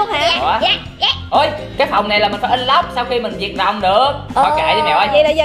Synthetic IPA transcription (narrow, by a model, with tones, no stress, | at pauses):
ha˧˨aː˨˦˧ | ʔo˨˧˦jkaː˨˦jfa˨˩wŋ͡mna˨˩jlaː˨˩mi˨˩fɔ˨˦ʔə˧nla˦˥p̚sa˧wxi˧mï˨˩ŋ̟zi˨˩ət̚ɗɔ̰˨wŋ͡mɗɨ˨˩ək̚ɔ˨˩ka̰ː˨jɗmɛ˨˩ʔɔ˧˦jɗa˨˦zə˧